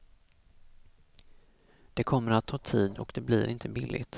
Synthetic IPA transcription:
d̪̥ɛkʰɔmːəɾat̪ʰːɑːt̪ʰiːd̪ɔkd̪ɛblɪɾʔɪnt̪ʰəbɪlːʔɪ̰t̪

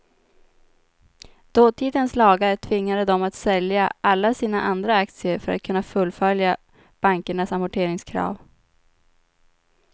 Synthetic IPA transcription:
d̪̥oːt̪ʰiːd̪ənslɑːɡaɾəʈ̪ʰvɪŋːad̪əd̪ɔmat̪sɛljaʔalːasiːnaʔand̪ɾaakt̪sɪəɾfœɾa̰t̪̚kʰɵnːafɵlːfœlja | b̥aŋkəɳasamʊʈʰeːɾɪŋskʰɾɑ̰ːv

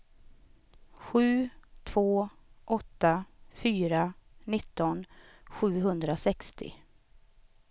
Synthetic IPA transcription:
ɧʉ̟ːt̪ʰvoːʔɔt̪ːafyːɾanɪt̪ːɔnɧʉ̟ːɦɵnd̪ɾasɛkst̪ɪ̰

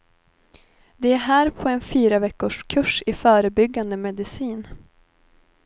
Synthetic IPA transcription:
d̪ɛæɾɦæːɾpʰɔɛnfyːɾavɛkːʊʂkʰɵʂɪfœːɾəbʏɡːand̪əmɛd̪ɪsiːn

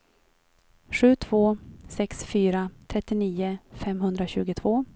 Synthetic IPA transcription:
ɧʉ̟ːt̪ʰv̥oːsɛksfyːɾat̪ʰɾɛt̪ːɪniːʊfɛmɦɵnd̪ɾaɕʉ̟ːɡʊt̪ʰv̥oː

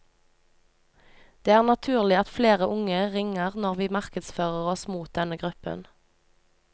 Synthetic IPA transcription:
d̪̥eːæːʁnɑt̪ʰʉːʁlɪɑt̪fleːʁəʔʊŋəʁɪŋəʁnɔʁʋiːmɑʁkəd̪sføːʁəʁɔsmuːt̪̚d̪ɛnəɡʁʉpə̰n

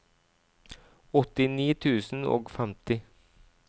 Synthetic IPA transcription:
ɔt̪ɪniːt̪ʰʉːsn̩o̰ːɡfɛmt̪ɪ

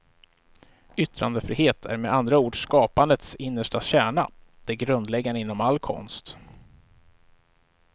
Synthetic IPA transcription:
ʏt̪ɾand̪əfɾiːheːt̪ʰæ̰ɾmɛand̪ɾauːɖʂkɑːpand̪ət̪sɪnːəʂʈaɕæːɳad̪̥ɛːɡɾɵnd̪lɛɡːanəɪnːɔmalːkʰɔ̰nst̪

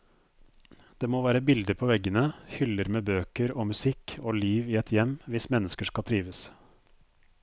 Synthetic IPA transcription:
d̪̥eːmoːʋæːɾəbɪld̪əpʰoːʋɛɡːənəhʏləɾmeːbøːkəɾoːmʉsɪkʰoːliːʋɪɛt̪ʰjɛmːʋɪsmɛnːəskəʂkɑlt̪ʰɾiːʋəs

